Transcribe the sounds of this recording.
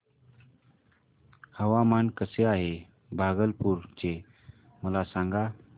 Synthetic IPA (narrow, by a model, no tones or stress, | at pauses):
həʋamankəseaɦe | bʱaɡəlpuːɾt͡ɕe | məlasaŋɡa